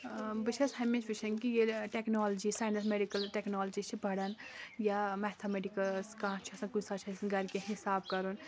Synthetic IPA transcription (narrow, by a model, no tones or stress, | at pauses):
bɨt͡ʃʰɐsɦɐmet͡ʃbɨt͡ʃʰɐnkijeʈeknoːld͡ʒisaːjnɐs̬meɖikɐlʈeknɔːld͡ʒit͡ʃʰibʱɐɽɐnjamɛt̪ʰameɖikɐskɐɦãt͡ʃʰiɐsãkusat͡ʃʰɐsʰnɡɐɾkeɦisaːbkɐɾun